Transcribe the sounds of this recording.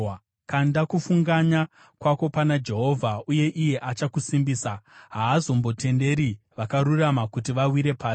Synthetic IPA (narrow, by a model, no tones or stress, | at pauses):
kandakufuŋɡaɲa | kwako̞panad͡ʒe̞ɦo̞vʱauje̞ʔije̞ʔat͡ʃakusimbiːsaɦaːzo̞mbo̞te̞nde̞ɾi | ʋakaɾuramakutiʋawiɾe̞paː